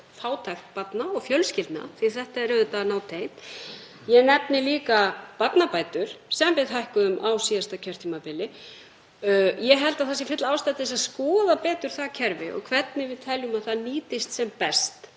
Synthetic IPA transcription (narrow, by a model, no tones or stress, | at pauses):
faːwt̪ʰajxt̪̚pat̪naɔɣfjœlscɪlt̪na̰θiθɛht̪aɛɾɛðʏt̪anaːwt̪ʰejt̪ | jɛnɛpnɪliːkapat̪napaːjt̪ʏɾ̥sɛmvɪðɦajhkʏðʏmʔawsiːðast̪acʰœɾ̥t̪ʰiːmapɪlɪ | jɛɦɛlt̪aðθasɪfɪt̪laaːwst̪ajt̪ɪsaðskɔːðapɛːt̪ʏɾ̥θacʰɛɾvɪ̰ʔɔ̰ɣkʰvɛt̪nɪvɪðt̪ʰɛljʏmaðθaðniːt̪ɪst̪sɛmpɛst̪